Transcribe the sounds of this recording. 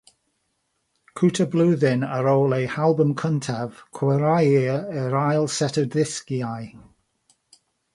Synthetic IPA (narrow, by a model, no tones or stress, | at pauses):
kʰutʰəblˠuːðɪnəɾowlˠejhalˠbəmkʰəntʰav̥kʰwɛɾajɪəɹajlˠsɛtʰədðɪskiaj